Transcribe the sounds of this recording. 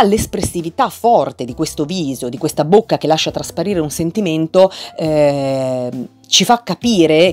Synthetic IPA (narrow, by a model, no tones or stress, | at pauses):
alːespɾesːivit̪afːɔrt̪ed̪ikwest̪oviːzod̪ikwest̪abokːak̟elːaʃːat̪ɾaspaɾiːɾeunsent̪iment̪oɛ | t͡ʃifakːapiːɾe